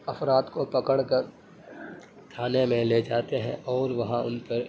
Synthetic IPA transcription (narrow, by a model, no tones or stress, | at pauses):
ɐfɾaːt̪kopɐkəɽkɐɾ | kʰaːnemẽled͡ʒaːt̪eɦɛ̃ʔɔːɾʋɐɦãʊ̰npɐɾ